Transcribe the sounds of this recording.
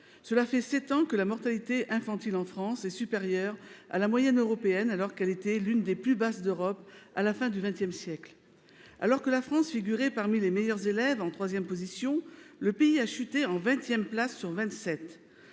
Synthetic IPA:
səlafɛsɛt̪ɑ̃kəlamɔʁt̪alit̪eʔɛ̃fɑ̃t̪ilɑ̃fχɑ̃sɛsypeʁjœʁa̰lamwajɛnøʁɔpeɛnalɔʁkɛlet̪ɛlynd̪eplybasd̪øʁɔpalafɛ̃d̪yvɛ̃t̪jɛmsjɛkl | a̰lɔʁkəlafχɑ̃sfiɡʲyʁɛpaʁmilemejœʁzelɛvɑ̃t̪χwazjɛmpozisjɔ̃ləpeiaʃyt̪eɑ̃vɛ̃t̪jɛmplasːyʁvɛ̃t̪sɛt̪

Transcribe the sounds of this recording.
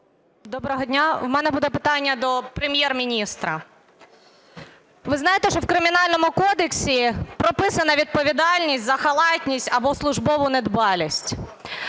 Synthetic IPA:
d̪ɔbɾɔɦɔdʲnʲawmɛnɛbud̪ɛpɪt̪ɑnʲːɐd̪ɔpɾemʲjɛrmʲinʲist̪ɾɐ | ʋɪzn̪ɑjet̪ɛʃɔwkɾɪmʲinɑlʲnɔmʊkɔd̪eksʲipɾɔpɪsɐnɐʋʲid̪̚pɔʋʲid̪ɑlʲnʲisʲtʲzɐxɐlˠɑtʲnʲisʲtʲɐbɔslˠʊʒbɔʋʊned̪bɑlʲisʲtʲ

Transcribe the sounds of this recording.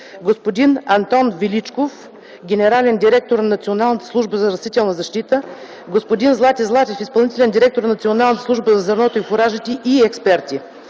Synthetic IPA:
ɡospod̪inɐnt̪ɔnvilʲit͡ʃkof | ɡʲɛnɛɾalɛnd̪iɾɛk̚t̪oɾnnɐt̪sionalˠnət̪ə̥slˠuʒbəzɐɾɐst̪it̪ɛlˠnɐzɐʃt̪it̪ə | ɡospod̪inzlˠat̪ʲɛzlˠat̪ɛfispɐlˠnit̪ɛlɛnd̪ʲiɾɛk̚t̪oɾnɐt̪sionalˠt̪ə̥slˠuʒbəzɐzəɾnɔt̪oifoɾaʒət̪ɛʔiɛkspɛɾt̪i

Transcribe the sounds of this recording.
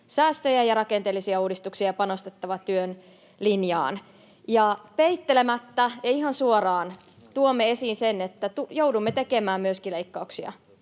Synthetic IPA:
sæːst̪øjæjɑɾɑkent̪eːlːisiɑuːdist̪uksiɑɑpɑno̞st̪et̪ːɑʋɑt̪yøn | linjɑ̰ːn | jɑpeit̪ːelemæt̪ːæjɑiɦɑnsuorɑːn | t̪uomːee̞sinsenet̪ːæt̪ujoudumːet̪e̞kemæːmmyøskileikːɑuksiɑ̰

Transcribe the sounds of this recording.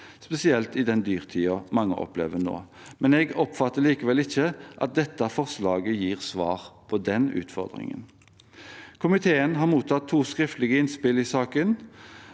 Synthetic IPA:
spɛsɪɛlt̪ɪd̪ɛnd̪yːʁt̪ʰiːɑmɑŋːə̰ʔɔ̰plḛːʋəno̰ː | mɛnɛɡɔpfɑt̪ːəliːkəʋɛlɪçːəʔɑt̪̚d̪ɛt̪ːəfɔʁslɑːɡəjiːʁsʋɑ̰ːʁpʰɔd̪ɛnʉ̰ːt̪fɔ̰ʁd̪ʁɪ̰ŋə̰n | kʰʊmɪt̪ʰeːənɦɑʁmuːt̪ʰːɑt̪ʰːuːskʁɪft̪lɪɡəɪnspɪlɪsɑːkən

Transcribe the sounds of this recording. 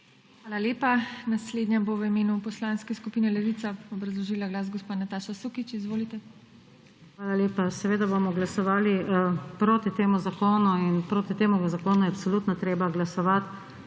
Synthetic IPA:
xʋaːlaleːpanasleːd̪njaboʋimeːnupɔslanskɛskupiːnɛlɛʋit̪saɔbɾɐzlɔʒiːlaɡlaːsɡospanat̪aːʃasukit͡ʃizʋoːlit̪ɛ | xʋaːlaleːpasɛʋeːd̪abomɔɡlasɔʋaːlipɾoːt̪it̪eːmuzakoːnuinpɾoːt̪it̪eːmuɡzakoːnujɛapsolut̪nɔt̪ɾeːbaɡlasɔʋat̪

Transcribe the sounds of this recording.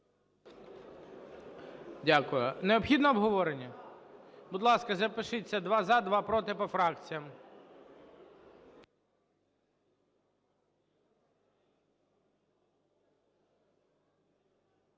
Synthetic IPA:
dʲakʊjʊneɔbxʲid̪nɔɔbɦɔʋɔɾenʲːɐ | bud̪lˠɑskɐzɐpɪʃɪt͡sʲːɐd̪ʋɑzɑd̪ʋɑpɾɔt̪ɪpɔfɾɑkt͡sʲijɐm

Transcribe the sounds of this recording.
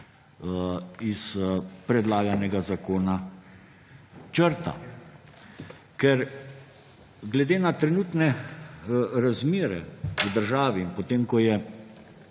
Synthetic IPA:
ispɾɛd̪laːɡanɛɡazakoːna | t͡ʃəɾt̪a̰ | kɛɾ | ɡlɛd̪eːnat̪ɾɛnuːt̪nɛ | ɾazmeːɾɛ̰ud̪əɾʒaːʋinpɔt̪eːmkɔjɛ

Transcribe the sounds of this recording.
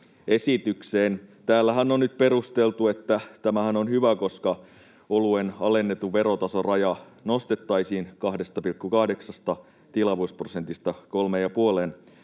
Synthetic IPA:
esit̪ykseːnt̪æːlːæɦænːonnyt̪̚pe̞ɾust̪elt̪uet̪ːæt̪æmæhænonhyʋæko̞skɑ | oluenɑlenːet̪uʋe̞ɾot̪ɑsorɑjɑ | no̞st̪e̞t̪ːɑisiːnkɑhdest̪ɑpilkːukɑhdeksɑst̪ɑ | t̪ilɑʋusprose̞nt̪ist̪ɑko̞lmejɑpuolen

